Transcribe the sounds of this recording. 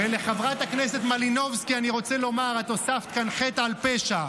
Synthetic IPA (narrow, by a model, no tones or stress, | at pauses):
vele̞χavʁat̪aknese̞t̪malino̞vskianiʁo̞t͡selo̞maʁat̪o̞saft̪kanχet̪aalpeʃa